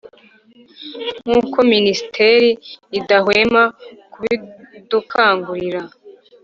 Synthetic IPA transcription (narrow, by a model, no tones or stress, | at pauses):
ŋ̥uːko̞minisitʰe̞ɾiːdaɦweːmakuβidukʰaːŋɡuɾiɾa